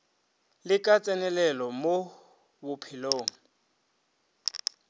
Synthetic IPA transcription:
lɪkʼat͡sʼɛnɛlɛlɔmo | bʊpʰɪloːŋ̩

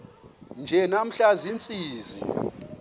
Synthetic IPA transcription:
nd͡ʒʱɛnam̩ɬazint͡sʼiːzḭ

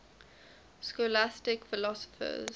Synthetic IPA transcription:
skolastɪkfɪlɔsɔ̥fə̰z

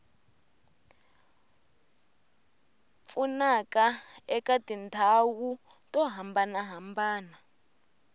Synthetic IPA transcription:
funakʼaɛkʼadintʰawutʼɔɦambanaɦambaːna

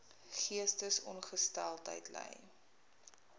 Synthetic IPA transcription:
χiəstəsɔnχəstælˠtə̰jtlɛ̰j

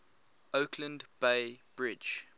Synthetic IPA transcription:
okʰlə̃ndb̥eɪb̥ɹɪd͡ʒ

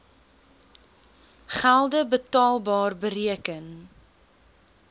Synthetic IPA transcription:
χælˠdəbətɑːlˠbɑːrbəriəkən

